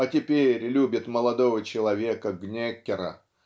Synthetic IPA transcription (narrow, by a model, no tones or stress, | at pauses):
ɐtʲɪpʲeɾʲlʲubʲɪt̪məlˠɐd̪ovət͡ɕɪlˠɐvʲekəɡnʲekʲːɪɾə̰